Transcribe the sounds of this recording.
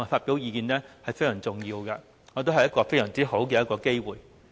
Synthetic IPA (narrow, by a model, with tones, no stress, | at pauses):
a˨˩faː˧t̚pi˨˥wjiː˧kiː˨˧nlɛː˥hɐ˨jfe˥jsœː˨˩ŋt͡sʊ˨˩ŋjiː˧wkɐ˧ | ŋɔː˨˧t̪o˥wɦɐ˨jɐ˥tkɔː˧fe˥jsœː˨˩ŋt͡siː˥ho˨˥wkɛ˧jɐ˥t̚kɔː˧ke˥jwuː˨j